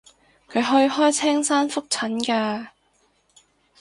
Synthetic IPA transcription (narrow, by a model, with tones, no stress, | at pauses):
kʰɵ˨˧ɥɦɵ˧ɥɦɔː˥jt͡sʰɛː˥ŋsaː˥nfʊ˥k̚t͡sʰɐ˨˥nkaː˧